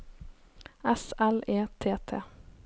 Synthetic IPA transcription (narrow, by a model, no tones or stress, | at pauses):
ɛsɛleːt̪ʰeːt̪ʰḛː